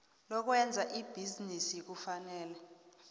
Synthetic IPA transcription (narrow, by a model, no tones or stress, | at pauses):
lɔk̬wɛnd͡zʱaʔib̥ʱizinisik̬ufanɛːlɛ